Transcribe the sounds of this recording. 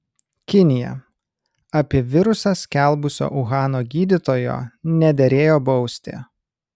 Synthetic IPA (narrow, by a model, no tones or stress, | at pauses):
kʲɪnʲɪjɛ̰ | ɐpʲɪɛʋʲɪɾʊsɐsʲkʲɛˑlˠbʊsʲo̰ːʔʊɣɑːnoːɡʲiːd̪ʲɪt̪oːjo̰ːnʲɛd̪ʲɛɾʲeːjoːbɒʊsʲt̪ʲɪ̰